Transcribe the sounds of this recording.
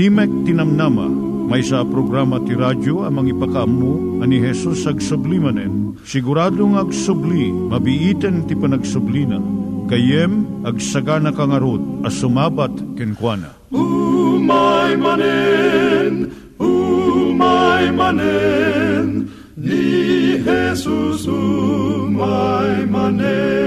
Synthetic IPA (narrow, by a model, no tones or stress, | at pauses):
imɛk̚t̪inɐmnamɐ̰ | mɐjsapɾoɡɾamɐt̪iɾad͡ʒoɐmɐŋipɐkɐʔɐmːu | ɐniɦɛsusɐɡsʊblimɐnɛn | sɪɡʊɾaːd̪oŋɐɡsʊblimɐbiʔit̪ɛnt̪ipɐnɐɡsʊblinɐ̰kɐjɛmɐɡsɐɡanɐkaŋɐɾod̪̚ɐsʊmaːbat̪kɪnkwanɐ̰ | umajmanɛ | n | umajmanɛ | n | nihɛsusumajmanɛ